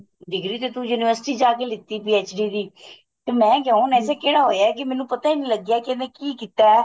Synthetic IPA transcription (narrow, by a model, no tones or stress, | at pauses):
ɖɪɡɾiːt̪eːt̪ũːjuːnɪʋəɾsɪ̥ʈiːd͡ʒaːkeːlɪt̪ːiːpiːeːt͡ʃɖiːd̪iː | t̪eːmɛ̃ːkɛõnɛːseːkeːɽaːɦoːjaːɛkɪmɛ̃ːnũːpət̪aːiːnĩːləɡaːkɪnẽːkiːkiːt̪aːɛ